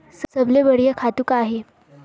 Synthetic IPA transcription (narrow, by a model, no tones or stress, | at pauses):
ssəbleʋəɽijəkʰat̪ukaaɦe